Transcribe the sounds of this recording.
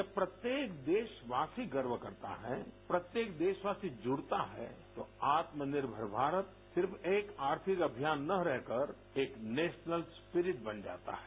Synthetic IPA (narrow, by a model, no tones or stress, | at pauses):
d͡ʒɐbpɾɐt̪jeːkd̪eːʃʋaːsiɡəɾʋəkɐ̰ɾt̪a̰ɦɛ̰pɾɐt̪jeːkd̪eːʃʋaːsid͡ʒʊɽt̪a̰ɦɛ̰t̪oaːt̪mənɪɾbʱəɾbʱaːɾət̪̚ | sɪɾfeːkaːɾt̪ʰɪkɐbʱijaːnːɐɾɛɦkəɾ | eːkneːʃnəlspɪɾɪʈbɐnd͡ʒa̰ːt̪a̰ɦɛː